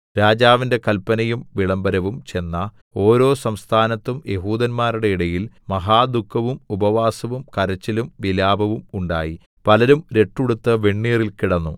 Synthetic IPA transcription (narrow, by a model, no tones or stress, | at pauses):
ɾaːd͡ʑaːʋinde̞kɐlpːɐnɐjumʋiɭɐmbɐɾɐʋumt͡ɕe̞nːɐ | o̞ːɾo̞ːsɐmst̪ʰaːnɐt̪ːumjʔe̞ɦuːd̪ɐnmaːɾuɽe̞iɽɐjilmɐɦaːd̪ukʰːɐʋumubɐʋaːsɐʋumkɐɾɐt͡ɕːɐlumʋilaːbʱɐʋumuɳɖa̰ːji | pɐlɐɾumɾe̞ʈːuɽut̪ːɐʋeɳːiːrilkiɽɐnːu